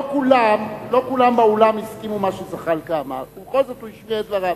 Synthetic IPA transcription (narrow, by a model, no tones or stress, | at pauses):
okulamlo̞kulambeolamiskimumaʃuzaχalkama̰ubekolzot̪ujiʃmied̪vaʁam